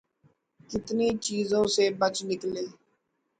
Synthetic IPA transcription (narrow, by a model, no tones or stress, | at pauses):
kɪt̪niːt͡ʃiːzõːseːbət͡ʃnɪkleː